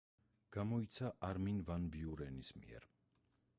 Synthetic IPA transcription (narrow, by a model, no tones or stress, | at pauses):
ɡ̥amɔit̪sʰaʔaɾminvanbiuɾɛnismḭɛ̰ɾ